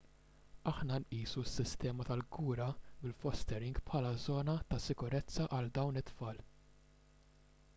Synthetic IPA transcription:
ɐħnɐnʔiːsusːɪst̪ɛːmɐt̪ɐlɡuːɾɐbɪlfɔst̪ɛɾɪŋɡpħɐlɐzɔːnɐt̪ɐsɪkʊɾɛt͡sːɐʔɐld̪ɐwnɪt̪ːfɐːl

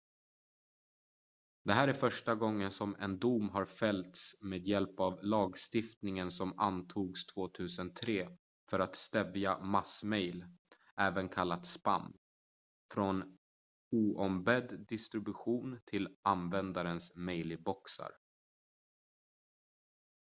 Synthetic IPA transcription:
d̪ɛɦæːɾæɾfœʂʈaɡɔŋːənsɔmɛ̰nd̪umɦaɾfɛlt̪smeːd̪jɛlpavlɑːɡst̪ɪft̪nɪŋənsɔma̰nt̪ʰuːɡst̪ʰv̥oːt̪ʰʉ̟ːsənt̪ʰɾeː | fœɾat̪st̪ɛvjamasmɛjl | ʔɛːvənkʰalːat̪spa̰mː | fɾɔn | uːʔɔmbɛd̪d̪ɪst̪ɾɪbɵɧuːnt̪ʰɪlanvɛnd̪aɾənsmɛjlɪbɔksa̰ɾ

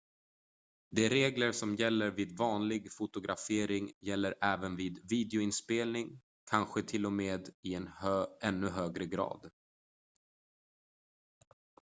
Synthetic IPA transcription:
d̪ɛɾeːɡləɾʂɔmjɛlːəɾviːd̪vɑːnlɪɡfʊt̪ʊɡɾʔa̰feːɾɪŋjɛlːəɾʔæːvənviːd̪viːd̪ɛʊɪnspeːlnɪŋ | kʰanɧət̪ʰɪlːɔmeːd̪ɪɛnɛnːɵɦøːɡɾəɡɾɑ̰ːd̪

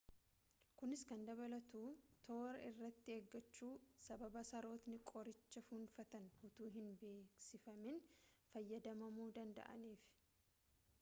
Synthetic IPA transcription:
kʊnɪskɐnd̪ɐβɐlɐt̪uːt̪ʰo̞ːɾɐɪrːɐt̪ːɪeːɡːɐt͡ʃːuːsɐbɐbɐsɐɾo̞ːt̪nɪkʼɔɾɪt͡ʃːɐfunfɐt̪ɐnhʊt̪uːɦɪnbe̞ːksɪfɐmɪnfɐjːɐd̪ɐmɐmuːd̪ɐnd̪ɐ̰ʔɐ̰niːf

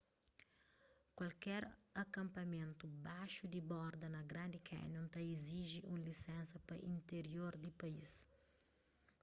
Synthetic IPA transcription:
kwɐlkɛɾɐkɐ̃mpɐmẽnt̪ubaʃud̪ibɔɾd̪ɐnɐɡɾãnd̪ikʰɛ̰nõnt̪ɐiziʒiʔũlisɛ̃nsɐpɐʔĩnt̪eɾjoɾd̪ipɐis

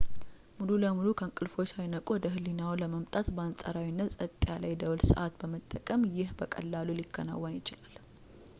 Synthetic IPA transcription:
mululəmulukʰəŋkʼɨlfo̞t͡ʃajnəkʼod̪əɦɨlinawləməmt̪ʼat̪bəansʼa̰ɾawinːət̪sʼət̪ʼjalajd̪əwlsə̰ʔat̪bəmət̪ʼːəkʼəmjɪhbəkʼə̰lːalulɪkʰːəna̰wːənjɪt͡ʃɪlal

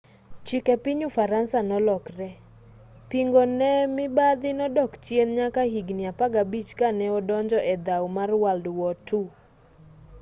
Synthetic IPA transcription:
t͡ʃikɛpiɲufaɾansanɔlɔkɾɛ | piŋɡonɛmɪbad̪ɪnɔdɔkt͡ʃjenɲakaɦiɡnɪapaɡabit͡ʃkanɛɔdɔɲd͡ʒɔʔɛd̪awmarwaldwɔtʰu

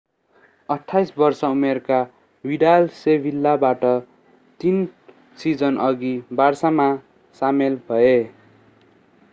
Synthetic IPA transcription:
ʌʈʰːajsbʌrsʌumerka | wiɖalsebʱilːabaʈʌ | t̪in | sid͡zʌnʔʌɡibarsama | samelbʱʌe

